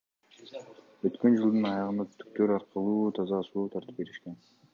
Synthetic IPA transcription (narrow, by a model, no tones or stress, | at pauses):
øt̪kø̞nd͡ʒɯlˠd̪ɯnɑjɑʁənd̪ɑt̪y̥k̚t̪øɾɑɾqɯlˠuːt̪ʰɑzɑsuːt̪ʰɑɾt̪ɯ̥p̚be̞ɾiʃken